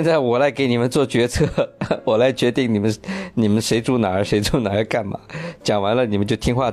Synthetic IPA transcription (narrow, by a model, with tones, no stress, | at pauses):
ɛ˥˧nt͡sa˥˩ɪwɔ˨˩la˧˥ɪke˧˥ɪni˨˩mə˦nt͡swɔ˥˩t͡ɕɥɛ˧˥t͡sʰɤ˥˧wɔ˨˩la˧˥ɪt͡ɕɥɛ˧˥t̪i˥˩ŋni˨˩mə˦nni˨˩mə˧˦nʂe˧˥ɪt͡su˥˩na˨˩ə˞˧˥ʂe˧˥ɪt͡su˥˩ʊna˨˩ə˞˧˥ka˥˩nmɐ̰˩t͡ɕjɑ˨˩ŋwa˧˥nlə˧ni˨˩mə˦nt͡ɕjo˥˩ʊt̪ʰi˥ŋxwa˥˩